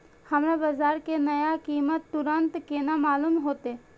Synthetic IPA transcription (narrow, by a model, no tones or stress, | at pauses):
hɐmɾabɐzaːɾkenɐjakiːmət̪ːʊɾənt̪keːnamaːluːmɦoːt̪e